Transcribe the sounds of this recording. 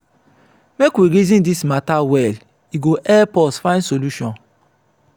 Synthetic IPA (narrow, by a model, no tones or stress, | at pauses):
mekwiɾezĩndismatawɛl | iɡoʔɛpɔsfãɪ̃nsoluʃɔ̃n